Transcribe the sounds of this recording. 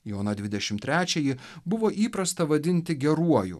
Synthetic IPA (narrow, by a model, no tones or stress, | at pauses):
joːnɐd̪ʲʋʲɪd̪ʲɛʃʲɪmt̪ʲɾʲæːt͡ʃʲɛjɪ | bʊʋoːʔiːpɾɐst̪ɐʋɐd̪ʲɪnʲt̪ʲɪɡʲɛɾuɔjṵ